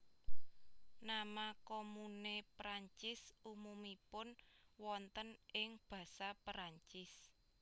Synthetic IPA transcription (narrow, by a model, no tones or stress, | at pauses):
namakomunepɾaɲt͡ʃɪsumumipʊnwɔnt̪ənɪŋb̥ä̤sapɾaɲt͡ʃɪs